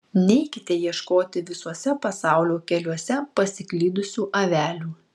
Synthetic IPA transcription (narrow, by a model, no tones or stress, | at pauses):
nʲɛɪkʲɪt̪ʲɛjiɛʃkoːt̪ʲɪʋʲɪsuɔsʲɛpɐsɑˑʊlʲoːkʲɛlʲuɔsʲɛpɐsʲɪklʲiːd̪ʊsʲuːʔɐʋʲæːlʲuː